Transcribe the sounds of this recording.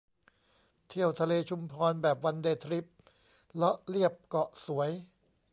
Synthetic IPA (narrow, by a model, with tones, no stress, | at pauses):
t̪ʰi˥˩əwt̪ʰa˧leː˧t͡ɕʰu˧mpʰɔː˧nbɛː˨˩p̚wa˧ndeː˧t̪ʰɾi˦˥p̚ | lɔ˦˥ʔli˥˩əp̚kɔ˨˩ʔsu˩˦əj